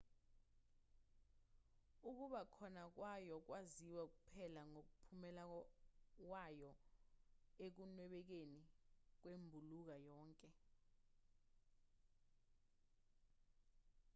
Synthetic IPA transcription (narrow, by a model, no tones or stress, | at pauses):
uk̬uɓakʰɔnak̬wajɔk̬waziwak̬upʰɛlaŋok̬upʰumɛla | k̬wajɔ | ek̬unwɛɓɛk̬enik̬wembʱuluk̬ajɔːŋkʼɛ